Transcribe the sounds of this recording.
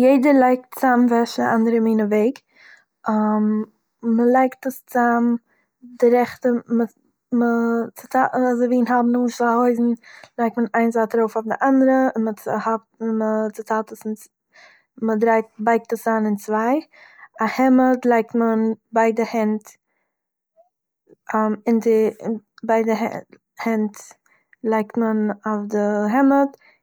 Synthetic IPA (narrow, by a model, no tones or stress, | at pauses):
jeɪdəɾlˠaɪk̚tt͡samvɛʃaʔandəɾəmiːnəveɪk | am | məlˠaɪktəst͡sam | dɪɾɛχtəmə | mət͡sɪ̥tazoviːnɦabnʊnʃhoɪzn̩lˠaɪk̚tmənaɪnzaːtəɾoʊfofdɪʔandəɾəɪnmət͡shap̚tmət͡sɪtʰaːtəsn | mədɾaɪtbaɪk̚təsaːnɪnt͡svaɪahɛmətlˠaɪk̚tmənbaɪdəhɛnt | amɪntəbaɪdəɦɛ̰ | hɛnt | lˠaɪk̚tmənafdəɦɛmət